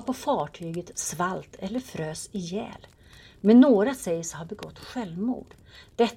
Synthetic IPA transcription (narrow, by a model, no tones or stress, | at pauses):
pʰɔfɑːʈʰyːɡət̪svalt̪ʰɛlːəɾfɾøːsɪjɛ̰ːl | mɛnːoːɾasɛjəsɔhaɾbɛɡɔt̪ːɧɛlvmṵːɖ̥ | d̪̥ɛt̪ː